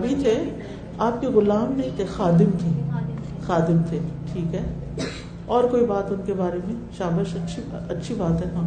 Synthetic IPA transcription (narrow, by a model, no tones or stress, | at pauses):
bʱit̪ʰe | aːp̚keɣʊlaːmnɐɦĩt̪ʰexaːd̪ɪmt̪ʰi | xaːd̪ɪmt̪ʰeʈʰiːkɦɛː | ɔːɾkoːibaːt̪ʊnkebaːɾemẽʃaːbəʃɐtːʃʰiɐtːʃʰibaːt̪ɦɛt̪ãː